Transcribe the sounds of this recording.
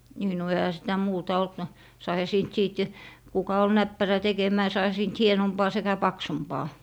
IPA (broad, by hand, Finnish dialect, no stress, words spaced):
niː no ehæ sitæ muːtɑ olt no sɑihɑ siːnt siːt kukɑ ol næpːæræ tekemæː sɑihɑ siːnt hienompɑː sekæ pɑksumpɑː